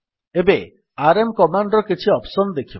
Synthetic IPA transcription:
ebe | aɾemkɔmaɳɖɾɔkit͡ʃʰiɔpsɔnɔd̪ekʰibɔ

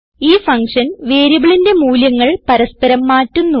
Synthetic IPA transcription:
iːfɐŋkʂɐnʋeːɾibɐɭinde̞muːljɐŋːɐɭpɐɾɐspɐɾɐmːaːtːunːu

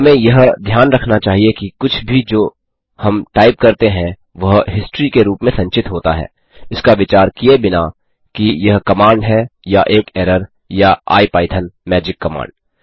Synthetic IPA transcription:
ɦɐmẽjɐɦd̪ʱjaːnɾɐkʰnat͡ʃaːɦiekikʊt͡ʃʰbʱid͡ʒoː | hɐmʈaːɪp̚kɐɾt̪eɦɛ̃ | ʋɐɦɦɪsʈɾikeɾuːpmẽsɐ̃ɲt͡ʃɪt̪ɦoːt̪a̰ɦɛ̰ː | ɪskaʋɪt͡ʃaːɾkiebɪna | kijɐɦkɐmãːɳɖɦɛjaʔeːkɛːɾəɾ | jaa̰ːipaːɪt̪ʰənmɛːd͡ʒɪkːɐma̰ːɳɖ

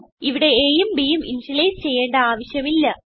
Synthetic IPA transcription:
iʋiɽe̞eːjumbijumʔind͡ʑileːjst͡ɕe̞jːe̞ːɳɖɐaːʋɐɕjɐmilːɐ

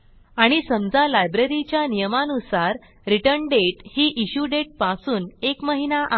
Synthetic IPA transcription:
aɽ̃isəmd͡zalajbɾəɾit͡ɕjanijəmanusaɾ | ɾiʈəɾɳɖeʈhiːʔiɕuɖeʈ̚pasuːnekməɦinaʔa

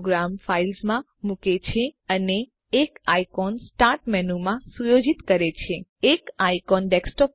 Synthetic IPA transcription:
ɡɾamfailsmã | muket͡ʃʰeəneː | kajkɔnsʈaɾʈmɛnumãsujod͡ʒit̪kəɾet͡ʃʰeekaikɔnɖeksʈɔp

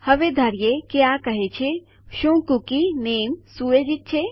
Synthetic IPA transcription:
hɐʋed̪ʱəɾjekiakəɦet͡ʃʰe | ʃõkukineːmsuʋed͡ʒit̪̚t͡ʃʰe

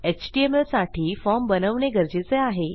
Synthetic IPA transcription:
et͡ɕʈieməsaʈʰiːfɔɾmbənəʋɳeɡəɾd͡ʑet͡seaɦe

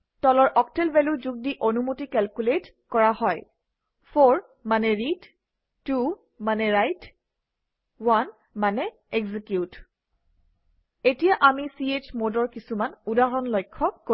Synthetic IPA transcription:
tɔlɔɹʔɔktɛlbɛluzuɡ̚diʔonumutikɛlkulet | kɔɹahɔj | pʰoɹ | manɛɹitː | u | manɛɹajt | wan | manɛ | ɛɡzikjut | etijaʔamisiet͡ʃmodɔɹkisumanudaɹɔnlɔjkʰːɔko

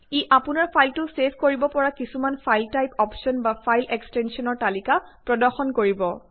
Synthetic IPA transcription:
iʔapʊnaɹpʰajltʊsepʰkoɹibɔpɔɹakisumanpʰajltajpɔpsɔnbapʰajlɛkstɛnsiɔnɔɹtalikapɹɔdɔɹxɔnkoɹibɔ

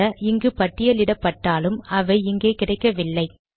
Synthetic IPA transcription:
ɐɪŋɡɯpɐʈːɪjɐlɪɽɐpːɐʈːaːlɯmɐʋɐɪɪŋɡeːkɪɽɐɪkːɐʋɪlːɐɪ

